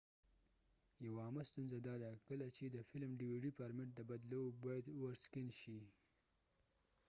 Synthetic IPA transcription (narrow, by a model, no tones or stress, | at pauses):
jawaːmast̪unzad̪ɑd̪akəlat͡ʃed̪əfɪlmɖiwiɖipaɾmɪʈ̚d̪əbad̪lowbɑjad̪waɾskɪnʃi